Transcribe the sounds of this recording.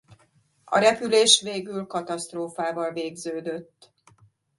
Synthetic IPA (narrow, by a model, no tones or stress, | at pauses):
ɒ̰ɾɛpyleːʃʋeːɡylkɒt̪ɒst̪roːfaːvɒlveːɡzøːd̪ø̞t̪ː